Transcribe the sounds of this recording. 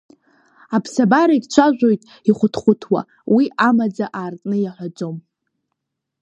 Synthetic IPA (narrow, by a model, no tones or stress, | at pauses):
apʰsabaɾaiɡʲt͡ʃʷʰaʒᶣʷo̞jtʼ | iχʷʊtʰχʷʊtʰwa̰ | wiamad͡zaʔaːrtʼnɨjaħʷad͡zo̞m